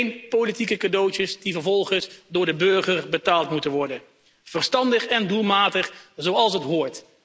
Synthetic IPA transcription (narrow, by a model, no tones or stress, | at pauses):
jnpolitikəkadowtəsdivəɹvɔlˠχənsdʊːɹdəbɵɹχərbətaːlˠtmutənʋɔɹdən | v̥ərstɑndəχɛndulˠmaːtəχzowɑlˠsətɦʊːɹt